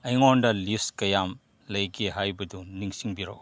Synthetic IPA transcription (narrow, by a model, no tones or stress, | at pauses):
ɐjŋondɐlistkɐjam | lɐjɡiɦajbɐduniŋsiŋbiɾo̰